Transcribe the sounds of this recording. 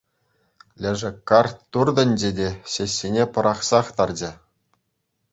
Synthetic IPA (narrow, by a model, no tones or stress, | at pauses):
lʲɘ̆ʐɘ̆kːɑrt̪ːurd̪ɤ̆nʲd͡ʑedʲeɕeɕʲːinʲepɤ̆ɾʔɑχsɑχt̪ɑrd͡ʑɘ̆